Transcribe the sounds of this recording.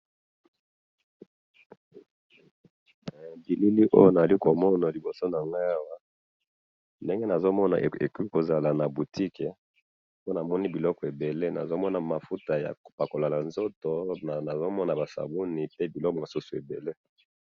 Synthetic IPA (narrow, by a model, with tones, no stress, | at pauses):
bi˨li˦li˦ʔo̰˦jo˦na˨za˨li˦ko˨mɔ˦na˨li˨bo˨so˦na˨ŋɡa˦a˦wa˦ | nde˦ŋɡe˦na˨zo˦mɔ˦na̰˨ḛ˨ku˦i˦ko˨za˨la˨na˨bu˨ti˦ke˨ | o˦na˨mɔ˦ni˦bi˨lɔ˦kɔ˨e˨be˨le˦na̰˨zo˦mɔ˦na˨ma˨fu˦ta˨ja̰˨kpa˨ko˨la˨la˨nzo˦to˦na˨na˨zo˦mɔ˦na˨ba˨sa̰˨bu˦ni˨pe˦bi˨lɔ˦kɔ˨mo˨su˦su˨e˨bḛ˨le˦